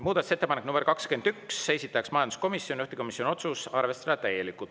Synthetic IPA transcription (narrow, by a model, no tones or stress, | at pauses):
muːd̪ɑt̪uset̪ːepɑneknumberkɑkske̞nd̪yksːejsit̪ːˑɑksmɑjɑnd̪u̥sko̞misjo̞nʲiyht̪e̥ko̞misjonʲio̞t̪susɑrve̞st̪ɑd̪̥ɑt̪æje̞likkˑut̪